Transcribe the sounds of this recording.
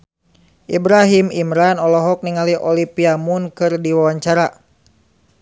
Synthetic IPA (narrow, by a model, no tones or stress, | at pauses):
ʔibɾaɦimimɾanɔlɔɦɔk̚niŋaliʔɔlipiamunkɨrdiwawaɲt͡ʃaɾa